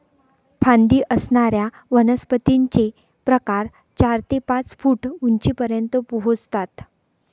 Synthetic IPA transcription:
fʰãnd̪iːʔəsɳaɾja | ʋənəspət̪iɲt͡ɕe | pɾəkaɾ | t͡ɕaɾt̪epãt͡sfuːʈuɲt͡ɕiːpəɾjənt̪əpuɦod͡zt̪at̪

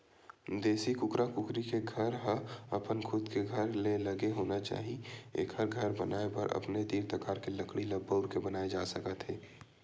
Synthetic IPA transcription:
d̪eːsikʊkɾakʊkɾikeɡʱɐɾɦəɐpənkʰʊd̪keɡʱɐɾlelɐɡeɦoːnat͡ʃa̰ːɦiḛːkhəɾɡʱɐɾbɐnaːepəɾʔɐ̰pned̪iːɾt̪əkaːɾkelɐkɽilɐbəʊɾkebɐnaːed͡ʒaːsəkət̪ɦeː

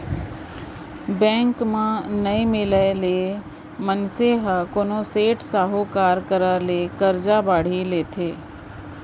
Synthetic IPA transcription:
bɛ̃ːŋkmãnəimɪləleː | mənseɦakoːnoseːʈsaːɦokaːɾkəɾalekəɾd͡ʒabaːɽ̤ileːt̪ʰeː

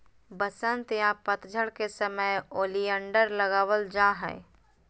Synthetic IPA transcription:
bəsənt̪jãpət̪d͡ʒʱəɽkesəməjoːlijəɳɖəɾləɡaːwəld͡ʒãɦɛ̰

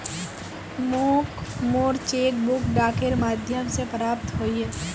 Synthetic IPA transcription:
mokmoːɾt͡ʃeːk̚bʊkɖaːkeɾmaːd̪ʱjəmsepɾaːp̚t̪ɦoːiɦɛː

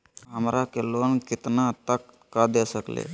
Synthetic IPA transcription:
ɦəmɾakeloənkɪt̪nat̪əkːad̪esəklḛː

